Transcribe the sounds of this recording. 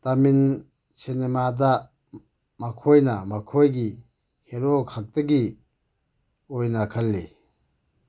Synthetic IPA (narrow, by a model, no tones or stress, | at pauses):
tamin | sinemada | makʰojnamakʰojɡi | heɾokʰak̚tɐɡi | ojnakʰalːe